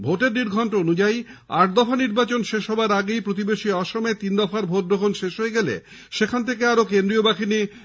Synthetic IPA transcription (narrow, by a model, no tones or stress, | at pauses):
bʱoʈeɾniɾɡʱɔɳʈoonud͡ʑajaʈ̚d̪ɔfaniɾbat͡ɕonʃeʃɦɔbaɾaɡejpɾot̪̬ibeʃiɔʃomɔet̪ind̪ɔfaɾbʱoʈ̚b̪ɾokʰonʃeʃɦojeɡɛlḛ | ʃekʰant̪ʰekeaɾokend̪ɾiobakini